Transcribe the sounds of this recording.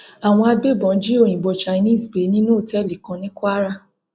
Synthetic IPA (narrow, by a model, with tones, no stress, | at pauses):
a˨w̃ɔ̃˧a˧ɡ͡be˦˨bɔ̃˨˦d͡ʒi˦o˦˨j̃ĩ˨ɡ͡bɔ˨˧t͡ʃa˧˨i˧nĩ˦˨sbe˨˦nĩ˦nũ˦o˦˨tɛ˦˨li˨kã˨˧nĩ˦kʷa˦ɾa˦